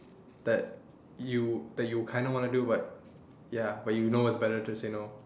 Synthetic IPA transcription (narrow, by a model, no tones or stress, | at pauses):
d̪̥ɛt̚ | jud̪ɛt̚jukʰãɪj̃ndəwɔ̃nudubat̚ | jabat̚junowɔtsbɛɾə˞tuseno